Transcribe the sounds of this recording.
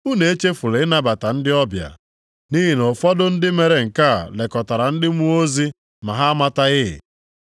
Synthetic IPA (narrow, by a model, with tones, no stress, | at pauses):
u˦ne˨e˦t͡ʃe˦fu˨le˨ɪ˦na˦ba˨ta˨n̩˦dɪ˦ɔ˦bja̰˨ | ni˦ɦi˨nɔ˨fɔ˦dʊ˦n̩˦dɪ˦me˨ɾe˨ŋ̩˨ka˦˨le˨kɔ˨ta˨ɾa˨n̩˦dɪ˦mu˦o˦zi˦ | ma˨ɦa˦a˦ma˦ta˦ɣɪ̰˦˨